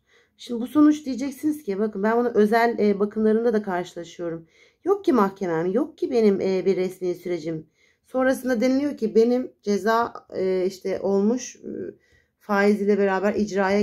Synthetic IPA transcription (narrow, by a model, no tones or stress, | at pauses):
ʃimd̪ibuso̞nut͡ʃd̪ijed͡ʒɛcsiniz̥cʰibakɯnbænbunaʔø̞zælʲːbakʰɯmlˠaɾɯnd̪ad̪akʰaɾʃɯlˠaʃɯjo̞ɾum | jo̞k̚cʰimahcʰe̞mɛmjo̞k̚cʰibe̞nimʔbiɾːɛsmiːsyɾe̞d͡ʒim | so̞nɾasɯnd̪ad̪enilʲijo̞ɾcʰibe̞nimd͡ʒe̞zaːiʃt̪ʰɛʔo̞lˠmuʃ | faːizilʲɛbe̞ɾaːbæɾid͡ʒɾaːja